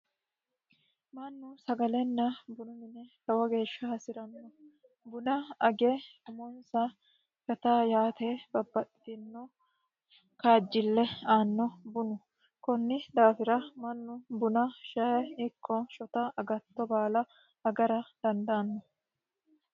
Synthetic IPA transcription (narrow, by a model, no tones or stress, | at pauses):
mɐnːʊsɐɡɐlɛnːɐbʊnʊmɪnɛt̪ɐwɐɡe̞ːʃːɐhɐsɪɾɐnːɔ | bʊnɐɐɡɛʊmɔnsɐ | kɐt̪aːjaːt̪ebɐbːɐt̪ɪ̥t̪ɪnːɔ | kaːd͡ʒːɪlːɛaːnːɔbʊnʊ | kɔnːɪd̪aːfɪɾɐmɐnːʊbʊnɐʃɐjɛɪkʰːɔʃɔt̪ɐɐɡɐt̪ːɔbaːlɐ | ɐɡɐɾɐd̪̥ɐnd̪ɐːnːɔ